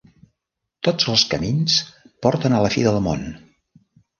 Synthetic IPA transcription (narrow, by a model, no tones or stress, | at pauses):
t̪od͡zəlˠskəmins | pɔɾt̪ənələfiðəlˠmo̰n